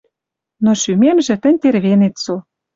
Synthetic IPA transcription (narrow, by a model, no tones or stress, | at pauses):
noʃymemʒĕt̪ə̆nʲt̪erβenet̪so